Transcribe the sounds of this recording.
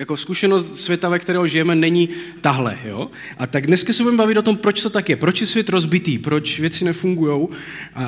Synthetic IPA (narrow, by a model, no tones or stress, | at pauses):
jakoskuʃɛnost̪svʲjɛt̪avɛkt̪ɛɾɛːɦoʒɪjɛmɛnɛɲit̪aɦlɛ̰jo̰ː | ʔat̪aɡdnɛskasɛbudɛmbavɪt̪ot̪o̞mpɾo̞t͡ʃt̪o̞t̪akjɛpɾo̞t͡ʃjɛsvjɛt̪ɾo̞zbɪt̪iːpɾo̞t͡ʃvjɛt͡sɪnɛfuŋɡujo̞w | ʔa